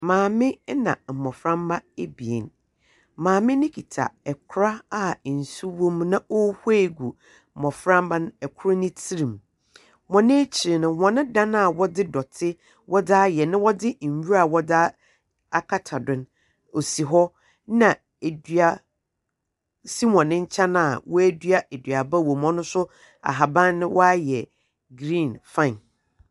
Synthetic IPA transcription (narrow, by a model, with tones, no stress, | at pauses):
mãː˨mɪ̃˦nã̰˨m̩˨mɔ˨fɾã˦mba˦e˦bi˨ḛ˨n | mãː˨mɪ̃˦nɪ̃˦kʰi˨tʰa̰˨ɛ˨kʰɾa˦a˦˨n̩˨su˦wɔ̃˦m˦nã˦o˦he˦e˦˨ɡu˨ | m̩˨mɔ̃˨fɾã˦mba˦nʊ̃˦ɛ˨kʷʰʊ˦ɾa˦nɪ̃˦tʰi˦ɾĩ˨m˨ | wɔ̃˨nɪ̃˦t͡ɕʰi˨ɾɪ˨nʊ̃˨wɔ̃˨nɪ̃˦dã˦na˦˨wɔ˦dɪ˦dɔ˨tʰɪ˦ | wʔɔ˦daː˦jɛ˨nɪ̃˦wɔ˦dɪ˦˨ɥu˦ɾa˨wɔ˦da˦ | a˨kʰa˦tʰa˨dʊ̃˨n | o˨si˨ɦɔ˦ | nã˨ | e˨dɥa˨ | si˦wɔ̃˨nɪ̃˦ɲ̩˦t͡ɕʰã˦nã˨a˨wɔ˦æ˦dɥa˦ʔe˨dɥa˨ba˦wɔ˨mɔ̃˦nʊ̃˦sʊ˦ | a̰˨ɦa˨bã˦nnːɪ̃˦wʔɔ˦a˦jɛ˨ | ɡɾĩ˦˨nfã˦˨n